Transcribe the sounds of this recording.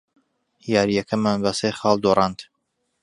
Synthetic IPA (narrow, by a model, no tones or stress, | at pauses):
jaːɾijɛkʰɐmːanbɐseχɑːlˠd̪oɾˤɑːnt̪